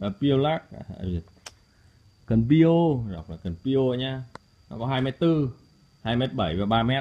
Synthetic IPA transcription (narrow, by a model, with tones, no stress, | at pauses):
ʔəː˨˩pi˧ə˧wlaː˦˥k̚a˨˩a̰˧˩˨ | kə˨˩npi˧o˧za˨˩k͡p̚laː˨˩kə˨˩npi˧o˧˨ɲaː˧ | nɔ˨˦kɔ˨˦ɦaː˧jmɛ˦˥t̚t̪ɨ˧ | haː˧jmɛ˦˥t̚ɓə˧˩jvaː˨˩ɓaː˧mɛ˦˥t